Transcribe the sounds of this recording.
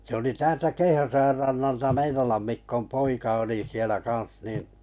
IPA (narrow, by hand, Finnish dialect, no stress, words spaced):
sĕ oli tæːltæ keihæsojɑr rɑnːɑltɑ meinolɑm mikːom poikɑ oli sielæ kɑ̃ːs nin